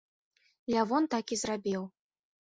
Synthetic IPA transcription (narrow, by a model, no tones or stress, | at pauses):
lʲavɔnt̪akizrabʲiw